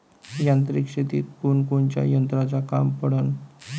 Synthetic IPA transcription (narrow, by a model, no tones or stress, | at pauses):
jãnt̪ɾikɕet̪ḭt̪̚kunkunt͡ɕa̰jənt̪ɾat͡saka̰mpəɽən